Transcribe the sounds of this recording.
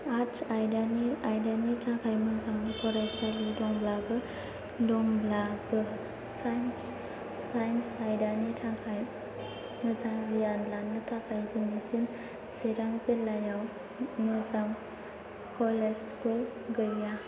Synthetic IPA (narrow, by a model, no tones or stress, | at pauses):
atajdaniajdanitʰakʰajmɯzaŋkʰɔɾasalidɔŋblabɯ | dɔŋblabɯ | sajns | ajnsajdanitʰakʰaj | mɯzaŋlijanlanːɯtʰakʰajdinisin | seɾaŋzelajaw | mɯzaŋ | kɔleskul | ɡɯja